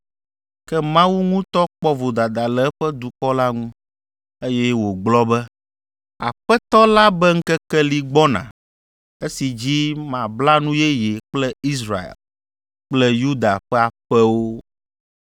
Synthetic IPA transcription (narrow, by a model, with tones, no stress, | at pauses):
kɛ˦mã˦wu˦ŋũ˦t̪ɔ˦k͡pɔ˦vo˨d̪a˨d̪a˨lɛ˨˦ɸɛ˦d̪u˨kɔ˦la˦ŋũ˦ | e˦jɛ˦wo˨ɡ͡blɔ˦bɛ˦ | a̰˨ɸɛ˦t̪ɔ˦la˦bɛ˦ŋ̩˦kɛ˦kɛ˦li˦ɡ͡bɔ˦nã̰˨ | e˦si˨d͡ʑi˦mã˨bla˦nũ˦jɛ˦je˨k͡plɛ˦i˦sɾa̰˨ḛ˨l | k͡plɛ˦ju˦d̪a˨ɸɛ˦a˨ɸɛ˦wo˦